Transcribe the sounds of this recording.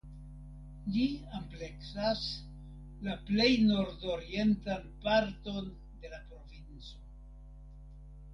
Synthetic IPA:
liample̞ksas | laple̞jno̞ɾdo̞ɾie̞ntanpaɾto̞n | de̞lapɾo̞vint͡so̞

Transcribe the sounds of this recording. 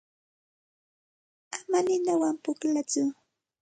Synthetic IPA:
amanɪnawampʊklat͡sʊ

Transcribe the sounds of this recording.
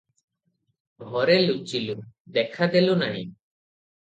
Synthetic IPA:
ɦɔɾelut͡ʃilud̪ɛkʰad̪elunaɽ̃ḭ

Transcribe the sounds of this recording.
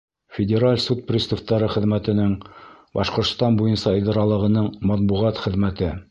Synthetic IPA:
fʲɪdʲeɾalʲsut̪̚prʲist̪ŏft̪ːɑɾɤχɘ̆ðmæt̪ɘ̆nɘŋbɑʃqŏɾt̪st̪ɑnbujɤnsɑɤ̆jd̪ɑɾɑlˠɤ̆ʁɤ̆nɤɴmɑt̪̚buʁɑt̪χɘ̆ðmæt̪ɘ

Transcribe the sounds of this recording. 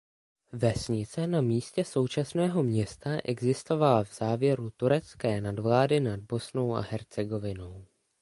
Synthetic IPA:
vɛsɲɪt͡sɛnamiːscɛso̞wt͡ʃasnɛːɦo̞mɲɛst̪aʔɛɡzɪst̪o̞valavz̥aːvjɛɾut̪uɾɛt͡skɛːnadvlaːdɪnad̚bo̞snowʔa̰ɦɛɾt͡sɛɡo̞vɪno̞w

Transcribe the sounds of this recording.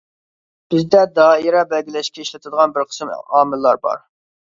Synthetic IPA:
b̥ɪzd̪ɛd̪ɑːiɾɑbɛlɡʲilɛʃkʲɛiʃlɛt̪ʰɨd̪əʁɑnbɪɾqʰə̥smɑːmɨlˠːɑɾbɑ̰ɾ

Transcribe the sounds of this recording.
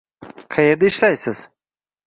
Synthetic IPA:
kʰajeɾd̪aiʃlʲæjsiz̥

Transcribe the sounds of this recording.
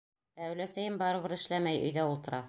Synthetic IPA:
æwlæsæjɘmbɑɾɤβɤɾɘ̆ʃlæmæjɵ̰̆jɡæulˠt̪ɤ̆ɾɑ

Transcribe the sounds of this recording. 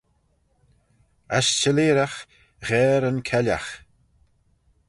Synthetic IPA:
a̰ʃt͡ʃəleːɾax | ɣɛːɾənkʰɛla̰x

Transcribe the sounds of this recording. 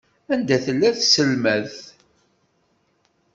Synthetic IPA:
ænd̪æθəlːæθsəlmæð

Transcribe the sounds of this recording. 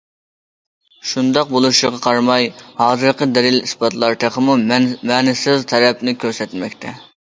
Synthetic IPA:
ʃund̪ɑq̚bolˠuʃəʁɑqʰɑɾmɑjhɑːzɨɾqʰəd̪ɛlɪlisbɑt̪lˠɑɾt̪ʰeχʰəmumɛnɪsɪzt̪ʰɛɾɛpnɪkʲʰøɾsɛt̪mɛk̚ʲt̪ʰɛ

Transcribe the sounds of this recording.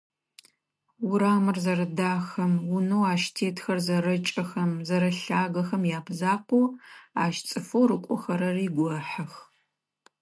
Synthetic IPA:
wʊɾaːmɨrzɐɾɐdaːxɐmwʊnɐwaːʃtʰeːtʰxɐrzɐɾɐt͡ʃʼɐxɐmzɐɾɐɬaːɣɐxɐmjaːpʰzaːqʷuːaːʃt͡sʼɨfowrɨqʷʼɔxɐɾɐriːɡʷɔħɐx

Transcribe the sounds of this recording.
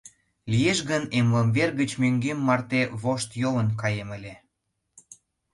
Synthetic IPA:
lijeʃɣənemləmβerɣət͡ɕmøŋɡemːɑrt̪eβoʃt̪jolənkɑjemə̆lʲe

